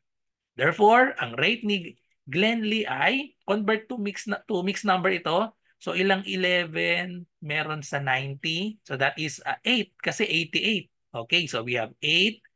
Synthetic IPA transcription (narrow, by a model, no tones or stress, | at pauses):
d̪ɛɹfoɹʔɐŋɹejt̪̚ni | ɡlɛnd̪liʔajkonvɛɹt̪̚ːumikst̪umiksnɐmbɛɹɪt̪o̞ | soʔɪlaŋɪlɛvɛnmɛːɾonsɐnajnt̪isod̪ɐt̪ɪsɐʔejt̪̚kɐsɛʔejt̪ːɪʔejt̪̚ | ʔoːkejsowihɐvʔejt̪̚